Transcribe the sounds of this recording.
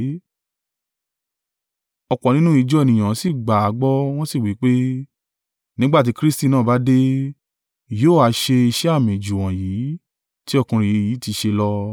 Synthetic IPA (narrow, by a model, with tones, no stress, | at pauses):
ɔ˧˨kɔ˨nĩ˦nũ˦i˨˧˦d͡ʒɔ˦e˨nĩ˨j̃ã˨˦si˦˨ɡ͡ba˨a˨˦ɡ͡bɔ˦w̃ɔ̃˦si˦˨wi˨˦k͡pe˦ | nĩ˦ɡ͡ba˦t̬i˨˦kɾi˦sti˦˧nãː˦˨ba˨˦de˦ | joː˦˨a˨˧ʃe˧i˧ʃɛ˦a˦˨mĩ˨d͡ʒu˨wã˨jiː˨˦ | ti˦ɔ˦˧kũ˧ɾ̃ĩ˨i˨˦jiː˨˦ti˧ʃe˧lɔ˦